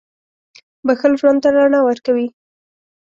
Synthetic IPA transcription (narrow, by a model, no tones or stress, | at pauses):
baxəlʒwand̪̚t̪aɾaɳawəɾkawi